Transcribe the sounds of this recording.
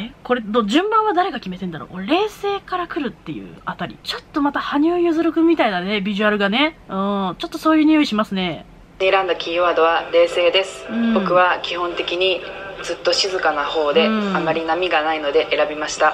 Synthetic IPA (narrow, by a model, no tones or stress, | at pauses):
eko̞ɾe̞d̪oʑɨ̃mbãɰ̃β̞ad̪aɾe̞ɡakʲime̞t̪ẽ̞nd̪aɾo̰koɾe̞ːse̞ːkaɾakɯ̟ɾɯ̟t̪ːe̞jɯ̟̰at̪aɾʲḭt͡ɕo̞t̪ːo̞mat̪ahaɲ̟ɨːjɯzɨɾɯ̟kɯ̟mʲit̪ainane̞bʲiʑɨaɾɯ̟ɡane̞ɯ̟̃ːt͡ɕo̞t̪ːo̞̥so̞ːjɯ̟ːɲ̟ijoiɕimasɨne̞ː | ɾãnd̪akʲiːβaːd̪o̞βaɾe̞ːse̞ːd̪e̞sɨ̥ɯ̃ɴbo̞kɯ̟βakʲihõ̞nt̪e̞kʲiɲ̟id͡zɨt̪ːo̞ɕizɨkanaho̞ːd̪e̞amːaɾʲinamʲiɡanaino̞d̪e̞ʔeɾabʲimaɕi̥t̪a